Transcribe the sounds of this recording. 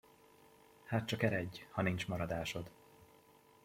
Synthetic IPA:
haːt̪̚t͡ʃɒkɛɾɛɟːhɒnint͡ʃmɒɾɒd̪aːʃo̞d̪

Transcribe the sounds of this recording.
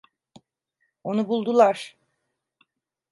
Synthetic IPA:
o̞nubulˠd̪ulˠaɾ̥

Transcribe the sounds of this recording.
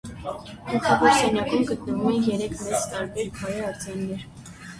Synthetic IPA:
kʰuχʰɑvɑɾsɛnjɑkumɡət̪nəvumɛnjɛɾɛkʰmɛt͡st̪ɑɾbɛɾkʰɑɾɛɑɾt͡sɑnːɛɾ

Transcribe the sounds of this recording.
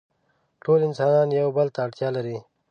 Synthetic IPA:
ʈoːlɪnsɑːnɑːnjawbəlt̪aːʈt̪jɑːlaɾi

